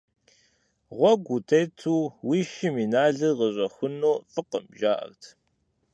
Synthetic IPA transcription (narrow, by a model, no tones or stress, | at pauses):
ʁʷɔɡʷutʰɐjtʰuːwiʃɪminaːɮɨʁəɕʷʼɐxʷʊnoːfɨqə̰mʒaːʔɐ̰rtʰ